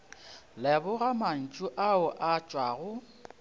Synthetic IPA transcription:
lɛbʊɣaman̩t͡ʃʼʊʔaʊʔat͡ʃʼwaːɣʊ

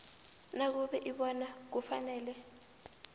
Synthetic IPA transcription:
nak̬uɓɛʔiɓɔnak̬ufanɛːlɛ

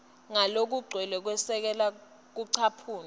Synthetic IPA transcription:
ŋalok̬uɡ͡ǀʱwɛlɛk̬wɛsɛk̬ɛla | k̬uǀʰapʰuːn

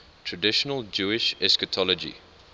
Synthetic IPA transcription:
tʰɹədɪʃənəlˠd͡ʒuːɪʃɛskətʰɔlɔd͡ʒḭ

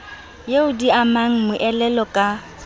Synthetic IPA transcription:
jeʊdiamaŋ̩mʊʔɛlɛlɔkʼa

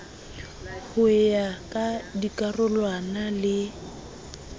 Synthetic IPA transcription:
hʊɪjakʼadikʼarʊlwanalɪ

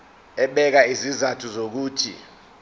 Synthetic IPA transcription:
ɛɓɛk̬aizizatʰuzok̬uːtʰḭ

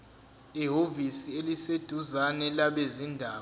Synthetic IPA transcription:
iɦovisielised̥ʱuzanɛlaɓezindʱaː

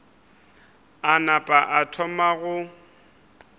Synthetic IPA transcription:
anapʼaʔatʰɔmaɣʊ

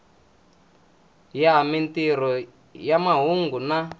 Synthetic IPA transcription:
jamintiɾ̤ɔ | jamaɦuŋɡuna

